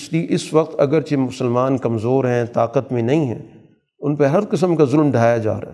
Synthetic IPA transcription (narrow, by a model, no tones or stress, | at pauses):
ʃliʔɪsʋɐq̚t̪ɐ̰ɡəɾt͡ʃemʊsəlmaːnkɐmzoːɾɦɛ̃t̪aːqət̪mẽnɐɦĩɦɛ̰̃ː | ʊnpeɦɐɾqɪs̬əmkazʊlmɖʱaːjad͡ʒa̰ːɾ̰ɦ